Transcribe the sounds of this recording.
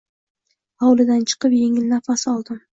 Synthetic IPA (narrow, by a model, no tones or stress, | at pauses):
hɒwlɪd̪ant͡ʃʰɨ̥qɨpje̞ŋɪlːafasɒlˠd̪ɪm